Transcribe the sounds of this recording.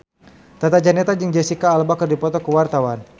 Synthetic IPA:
t̪at̪ad͡ʒanɛt̪ad͡ʒəŋd͡ʒɛsikaːlbakərdipɔt̪ɔkuwart̪awan

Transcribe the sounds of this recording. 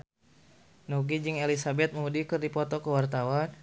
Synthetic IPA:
nɔɡid͡ʒɨŋelisabɛt̪̚məŋudikɨrdipɔt̪ɔkəwart̪awan

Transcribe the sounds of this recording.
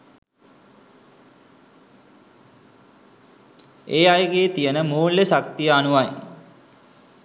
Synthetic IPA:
eːajəɡeːt̪ijənəmuːlːesakt̪ijəanuʋaj

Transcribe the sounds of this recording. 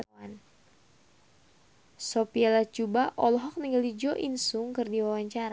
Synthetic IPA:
an | sɔpialat͡ʃubaʔɔlɔɦɔk̚niŋɡalid͡ʒɔʔinsuŋkɨrdiwawaɲt͡ʃaɾa

